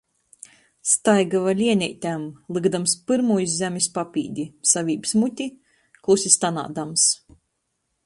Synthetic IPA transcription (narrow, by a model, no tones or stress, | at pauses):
st̪ajɡavalʲiɛnʲɛjt̪ʲamlˠɨɡd̪amspɨɾmujszʲæmʲispapʲḭːd̪ʲisavʲiːbsmut̪ʲi | klˠusʲist̪ana̰ːd̪ams